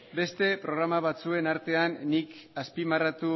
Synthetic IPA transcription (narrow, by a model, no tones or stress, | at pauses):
be̞st̪e̞pɾo̞ɣ̞ɾamaβ̞at͡sue̞naɾt̪e̞anːikaspimarat̪u